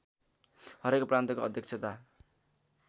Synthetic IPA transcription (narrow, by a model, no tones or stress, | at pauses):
hʌɾekprant̪ʌkoʌd̪ʱjʌk̚t͡sʰʌt̪a